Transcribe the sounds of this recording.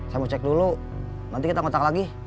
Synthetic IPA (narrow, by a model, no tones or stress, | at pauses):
samut͡ʃɛk̚dulu | nant̪ikit̪aŋot̪aklaɡi